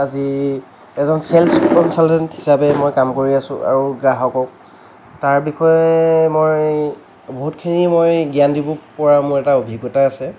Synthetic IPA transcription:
azi | ɛzɔnsɛlpkɔnsaltɛnthisapɛmojkamkoɹiasʊ̰̃ʔa̰ɹuɡaɦɔkɔk | taɹbixʰɔjɛmoj | boɦutkʰinimojɡiandibɔpɔɹamʊɹɛtaobʱiɡɔtaːsɛ

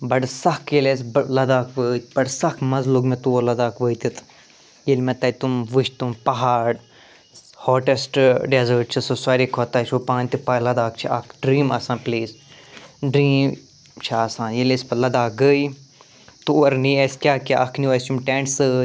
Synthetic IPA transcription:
bɐɖsɐkʰjeles̬ʲblɐd̪aːkʋəːt̪bɐɖsɐkʰmɐzluɡmẽt̪uolɐd̪aːkʋəːt̪it̪ʰ | jelmẽt̪ɐt̪umʋɨʃt̪umpɐɦaːɽ | hoːʈesʈɖezəːɾʈt͡ʃʰisosɐːɾikʰot̪ɐt͡ʃʰopãːnʲt̪ipaːjlɐd̪aːk̚t͡ʃʰiɐkʰɖɾiːmɐsãːpliːs | ɖɾiːm | t͡ʃʰaɐsãːnjelesʲpɐlɐd̪aːk̚ɡəi | t̪uɐɾniesʲkʲjaːkʲaʔɐkʰniɐsʲumʈẽːɳʈsɨ

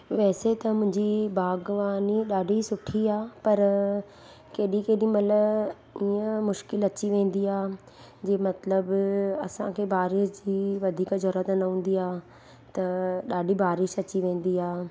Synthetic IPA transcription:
ʋɛːset̪ɐmʊ̃ɦɪ̃ɲd͡ʑibaːɡʋaːniɗaːɖʱisʊʈʰiaːpɐɾ | keːɗikeːɗĩmɐt̪ləb | iːə̃mʊʃkɪlɐt͡ɕiʋẽːn̆d̪iaː | d͡ʑeːmɐt̪ləbɐsãkʰeːbaːɾɪʃd͡ʑiːʋɐd̪ʱiːkd͡ʑɔɾət̪nɐɦũːn̆d̪iaː | t̪ɐɗaːɖʱibaːɾɪʃɐt͡ɕiʋẽːn̆d̪iaː

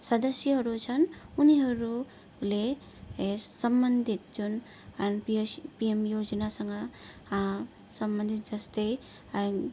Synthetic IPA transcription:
sɐd̪ɐsjəɦʌɾut͡ʃʰɐnuniɦʌɾu | le | sɐmbɐnd̪ʱit̪̚d͡ʒun | anpipiemjod͡ʒənasɐŋa | sɐmbɐnd̪ʱit̪̚d͡ʒɐst̪e

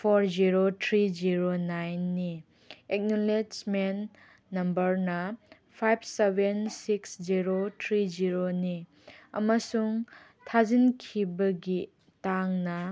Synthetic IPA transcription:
pʰoɾziɾotʰɾid͡ʒiɾonajnːi | ek̚nolet͡ʃmenː | ɐmbɐɾnɐ | pʰajb̚ʰsebensiksd͡ʒiɾotʰɾid͡ʒiɾoni | ɐ̰mɐsuŋ | tʰazinkʰibɐɡi | taŋnɐ

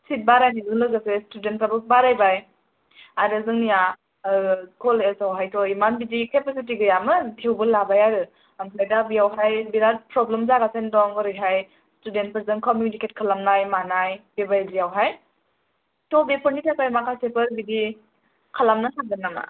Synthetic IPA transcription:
sit̚baɾajnizɯŋlɯɡɯsestudent̚pabɯk̚baɾajbaj | aɾɯzɯŋnija | kʰɔlezawɦajtɔimanbidikepes̬it̬iɡɯjamɯtʰewbɯlabajaɾɯ | ampʰajdabiawɦajbiɾat̚pɾɔblemzaɡasendɔŋbɯɾɯjɦaj | student̚pɯɾzɯŋkɔmjuniket̚kʰalamnajmanajb̥ebajzijawɦaj | tɔbepʰɔɾnitapajmakʰasepɯɾbidi | kʰalamnasʰak̚danama̰

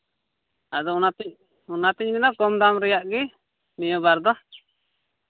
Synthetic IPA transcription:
ad̪ɔunat̪ɲ | unat̪ɛɲmɛnakɔmd̪amɾɛjaʔɡɛ | mijɔbaɾd̪ɔ

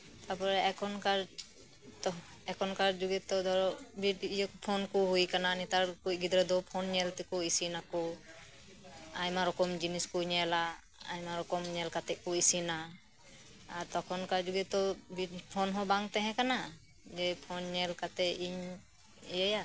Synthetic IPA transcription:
t̪apɔɾɛɛkʰɔnkaɾ | t̪ɔ | ɛkʰɔnkaɾd͡ʒuɡɛt̪ɔd̪ɔɾɔbiʈːjɔkpʰɔnkɔɦujkananit̪aɾkuc̚ɡid̪ɔɾɛd̪ɔpʰɔnɲɛlt̪ɛkɔisinakɔ | ajmaɾɔkɔmd͡ʒiniskɔɲɛla | a̰jmaɾɔkɔmɲɛlkat̪ɛʔ̚kɔisina | aɾt̪ɔkʰɔnkaɾd͡ʒuɡɛt̪ɔbipʰɔnɦɔbaŋt̪ɛɦɛ̃kana | d͡ʒɛpʰɔnɲɛlkat̪ɛiɲ | ijɛja

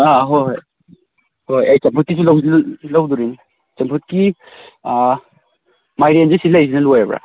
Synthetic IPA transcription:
aɦoj | hojajt͡ʃɐmpʰut̚kis̬ʰulɐwdlɐwduɾin | t͡ʃɐmpʰut̚ki | majɾend͡ʒesilajs̬inɐlojebɾa̰

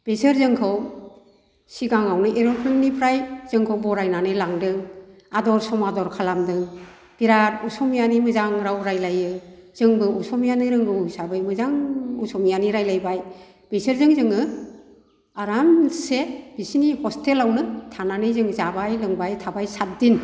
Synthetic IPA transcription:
b̥esɯɾzɯŋkʰɯw | siɡaŋawnɯʔeɾɔɾkʰɾɯŋnipʰɾajz̥ɯŋkʰɯwbɔɾajnanɯlaŋdɯŋ | adɔɾsɔmadɔɾkʰalamdɯŋ | b̥iɾatusɔmijanimɯzaŋɾawɾajlajɯz̥ɯŋbɯusɔmjanɯɾɯŋɡɯwsabajmɯzaŋusɔmijaniɾajlajbaj | b̥esɯɾzɯŋzɯŋɯ | aɾanseb̥isinihɔstelawnɯtʰananɯjzɯŋzabajlɯŋbajtʰabajsat̚din

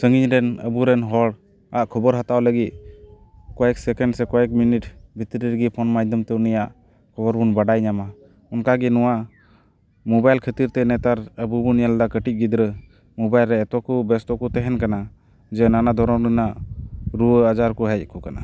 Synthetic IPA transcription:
səŋɡiɲɾɛnəbuɾɛnɦɔɽ | aʔkʰɔbɔɾɦat̪awləɡit̪̚ | kɔɛksɛkɛɳɖsɛkɔɛk̚miniʈbʱit̪ɾiɾɡipʰɔnmajd̪əmt̪ɛunijaʔ | kʰɔbɔɾbunbaɖajɲama | ɔnkaɡinɔwaʔ | mɔbajlkʰət̪iɾt̪ɛnɛt̪aɾəbubunjald̪akəʈit̪̚ˀɡid̪ɾə | mɔbajlɾɛːt̪ɔkubɛst̪ɔkut̪ɛɦɛnkana | d͡ʒɛnanad̪ʱɔɾɔmɾənaʔɾuəəd͡ʒaɾkuɦəj̚kʰukana

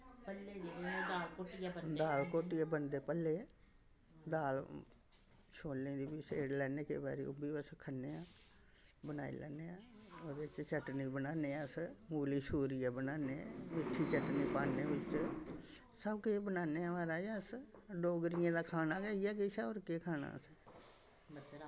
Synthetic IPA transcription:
pəled̪aːlkoːʈjad̪aːlkoːʈijaːbənd̪eːpəlːeː | d̪aːl | ʃʰoːlːẽːd̪iːbɪsḛːɽlɛːneːkḛːba̰ːɾḭːʊ̰biːʋəskʰənːeːãː | bənaːḭːlɛ̰ːneːãːoːd̪et͡ʃt͡ʃəʈniːbənaːneːsmuːliːʃuːɾijaːbənaːneːmɪʈʰːiːt͡ʃəʈniːpaːneːbɪt͡ʃ | səbkeːbənaːneːãːʋaːɾaːsɖoːɡɾɪjãːd̪aːkʰaːnaːɡəːijaːkɪsɛoːɾkeːkʰaːna̰ːs

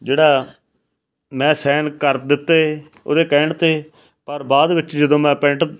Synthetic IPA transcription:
d͡ʒeːɽaː | mɛ̃ːsɛːnkəɾ̚d̪ɪt̪ːeː | o̰ːd̪eːkɛ̃ːɳt̪eː | pəɾbaːd̪ʋɪt͡ʃd͡ʒəd̪õːmɛ̃ːpɛ̃ɳʈ

